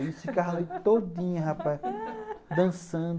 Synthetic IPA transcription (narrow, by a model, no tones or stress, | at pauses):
isikaɦlejt̪odd̪ĩɲɐɦapaj | d̪ɐ̃sɐ̃d̪